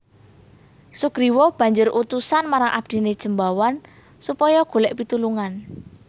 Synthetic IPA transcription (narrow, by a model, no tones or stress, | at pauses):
suɡ̥ɾiwɔb̥ä̤ɲd͡ʒʊrut̪usanmaɾaŋʔa̰b̥̚d̪̥i̤ned̥ʒ̥ə̤mbawan | supɔjɔɡ̥o̤lɛʔpit̪uluŋan